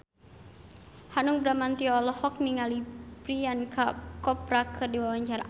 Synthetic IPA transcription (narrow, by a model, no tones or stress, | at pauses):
hanuŋbɾamant̪iɔlɔhɔk̚niŋalipɾiankakɔpɾakʰɨrdiwawaɲt͡ʃaɾa